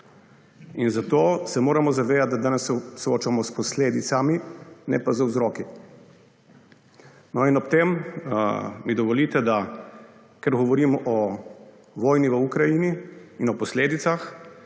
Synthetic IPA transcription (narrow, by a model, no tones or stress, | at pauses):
inzat̪oːsɛmoːɾamɔzaʋeːd̪at̪̚d̪ad̪aːnɛssoːt͡ʃamɔspɔsleːd̪it̪saminɛ̰pazawzɾɔːki | nɔinɔpt̪em | mid̪ɔʋɔlit̪ɛd̪a | kɛɾɡɔʋɔɾiːmɔʔɔ | ʋɔːjniʋəukɾajiniːnɔpɔsleːd̪it̪sax